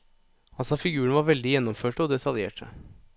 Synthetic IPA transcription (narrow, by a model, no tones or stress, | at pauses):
ɑlsɑfɪɡʉːɾəɳʋɑːɾʋɛld̪ɪjɛnːɔmføːʈəɔd̪ɛt̪ʰɑljeːʈʰə̰